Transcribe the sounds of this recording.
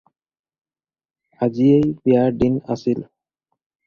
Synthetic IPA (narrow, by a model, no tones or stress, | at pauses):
aziejiaɖina̰sil